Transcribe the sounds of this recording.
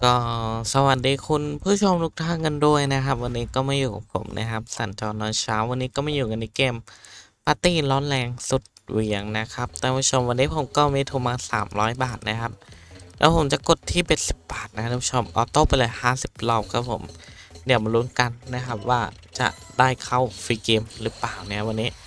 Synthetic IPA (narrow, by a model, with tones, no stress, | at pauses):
kɔː˥˩sa˧wa˨˩t̪̚diː˧kʰu˧npʰuː˦˥˩t͡ɕʰo˧mluː˦˥k̚t̪ʰaː˧˥˩ŋa˧ndu˥˩əjna˦˥kʰa˦˥p̚wa˧nːiː˦˥kɔː˥˩ma˥˩jːuː˨˩kʰɔ̰˧˩ŋpʰo̰˨˩˦mnʔa̰˦˥kʰa˦˥p̚sa̰˨˩˦nt͡ɕɔː˧nːɔː˧˥nt͡ɕʰaː˦˥wːa˧nːiː˦˥kɔː˥˩maː˥˩juː˨˩ŋa˧nːi˧˩keː˧m | pʰaː˧t̪iː˥˩lɔː˦˥nlɛː˧ŋsu˨˩t̪̚wi˨˦əŋna˦˥kʰa˦˥p̚t̪ɛː˧˩pʰu˦˥˩t͡ɕʰo˧mwa˧nːiː˦˥pʰo˨˩˦mkɔː˥˩miː˧t̪ʰu˧˩maː˧sa̰ː˩˦mɾɔː˦˥jbaː˨˩t̪̚na˦˥kʰa˦˥p̚lɛ̰ː˦˥pʰo˨˩˦mt͡ɕa˨˩ko˨˩t̪ʰːiː˥˩pe˨˩n̚si˨˩p̚baː˨˩t̪̚na˦kɾu˧˦pʰu˥˦o˧mʔɔ̰ː˧˩t̪o˥˩pa˧jlɤː˧jhaː˥˩si˨˩p̚lɔː˧˩wkʰa˦˥pʰo̰˩˦mdi˨˩˦əwma˧luː˦˥nka˧nːa˦˥kʰa˦˥p̚waː˥˩t͡ɕa̰˨˩ʔdaː˥˩jkʰa˥˩wfiː˧keː˧mɾɯ˦˥plaː˨˩wn˦˥a˧˩wa˧nːiː˦˥